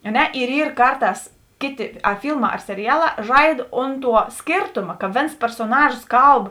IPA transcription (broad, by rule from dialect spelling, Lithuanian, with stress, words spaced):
ɐ ˈnʲɛ ɪr ˈiːr ˈkɐrˌtɑːs ˈkʲeːˌtʲɪ ɐ ˈfʲiːlˠˌmɑː ɐr sʲɛrʲɪˈjæːˌlˠɑː ˈʒɐɪt ˈoːnt ˌtuɔ ˈsʲkʲeːrtoːmɐ kɐ ˈʋʲeːns pʲɛrsoːˈnɑːʒoːs ˈkɐlˠp